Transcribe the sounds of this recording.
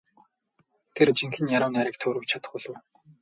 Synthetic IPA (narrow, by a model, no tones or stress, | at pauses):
t̪ʰert͡ɕiŋxɘ̆njaɾʊːnaɾɪ̆k̚t̪ʰɵːɾujt͡ɕʰat̪ə̥̆χʊɮɘ̆w